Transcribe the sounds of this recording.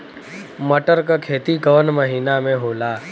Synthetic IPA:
məʈəɾkakʰeːt̪ikəʋənməɦiːnamẽɦoːlaː

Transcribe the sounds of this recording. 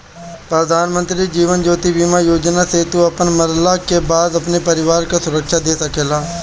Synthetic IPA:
pɾəd̪ʱaːnmə̃nt̪ɾid͡ʒiːʋənd͡ʒoːt̪ibiːmajoːd͡ʒnaset̪uɐpənməɾlakebaːd̪ɐpnepəɾɪʋaːɾkasʊɾəkʃad̪eːsɐkeːlaː

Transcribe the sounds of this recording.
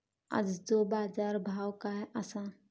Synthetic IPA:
a̰d͡ʒdobaːd͡ʒaːɾbʱaːwkaɦɛʔasaːn

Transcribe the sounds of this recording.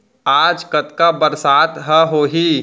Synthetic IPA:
aːd͡ʒkət̪kabəɾsaːt̪ɦəɦoːɦi

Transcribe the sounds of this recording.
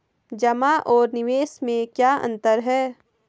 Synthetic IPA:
d͡ʒɐmaʔɔːɾnɪʋeːsmẽkjaːɐ̰̃nt̪əɾɦɛː

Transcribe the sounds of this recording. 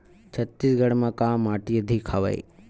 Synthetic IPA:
t͡ʃʰət̪ːisɡəɽmãkaːmːaːʈiəd̪ʱikʰaʋa̰ḭ

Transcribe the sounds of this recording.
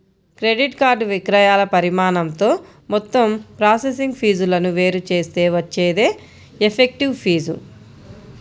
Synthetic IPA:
kɾeɖiʈkaːɾɖʋikɾɐjaːlɐpɐɾimaːnɐmt̪o̞ː | mɔt̪ːɐmpɾaːsesiŋɡpʰiːd͡ʒulɐnuʋe̞ːɾut͡ʃe̞ːst̪e̞ːʋɐt͡ʃːeːd̪e̞ː | epʰek̚ʈiʋpʰiːzṵ

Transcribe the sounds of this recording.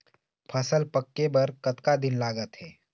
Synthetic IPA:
pʰɐsəlpɐkːebɐɾkɐt̪kad̪ɪnlaːɡət̪ɦɛː

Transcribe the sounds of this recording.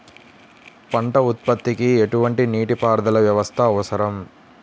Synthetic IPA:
pɐɳʈɐut̪̚pɐt̪ːikieʈuʋɐɳʈiniːʈipaːɾd̪ɐlɐʋjɐʋɐst̪ʰɐːʋɐsɐɾɐm

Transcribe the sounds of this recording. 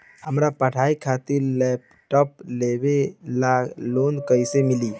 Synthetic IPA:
həmɾapəʈʰaikʰat̪iɾlɛp | ʈɔplebelaɡlonkəjsemili

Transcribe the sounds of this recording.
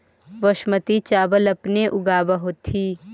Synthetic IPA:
ʋəʃmət̪it͡ʃaːbəlɐpneʔʊɡaːbaɦoːt̪ʰiː

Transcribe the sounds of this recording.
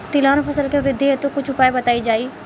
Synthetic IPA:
t̪ɪlãːnpʰəsəlkeʋɾɪd̪ʱːeet̪õːkʊt͡ʃʰʊpaːebət̪aːiːd͡ʒaːiː

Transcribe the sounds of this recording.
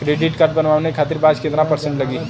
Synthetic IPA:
kɾeɖiʈkəɾʈ̚bənʋawnekʰat̪iɾbad͡ʒkẽnd̪ɾapəɾsẽɳʈləɡi

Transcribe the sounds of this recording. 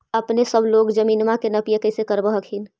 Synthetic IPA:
əpnesəbloːɡd͡ʒəmiːnmãkenɐpijekəɪsekəɾbəɦəkʰɦɪn

